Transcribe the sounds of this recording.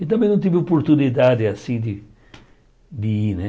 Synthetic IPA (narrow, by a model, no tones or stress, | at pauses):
ɪt̪ɐ̃mbẽj̃nɐ̃t̪ivɪopoɾt̪unid̪ad̪ɪasĩd̪ɪ | d̪ɪinɛ